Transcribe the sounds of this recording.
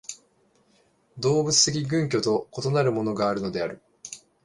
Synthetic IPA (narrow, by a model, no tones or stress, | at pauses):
d̪o̞ːbɯ̟t͡sɨ̥t̪e̞k̬ʲiɡɯ̟̃ŋkʲo̞t̪o̞ko̞t̪o̞naɾɯ̟mo̞no̞ɡaːɾɯ̟no̞d̪e̞aɾɯ̟